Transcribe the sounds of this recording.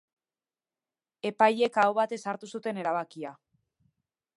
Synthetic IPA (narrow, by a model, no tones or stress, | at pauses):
e̞paje̞kaoβat̪e̞saɾt̪usut̪e̞ne̞ɾaβ̞akia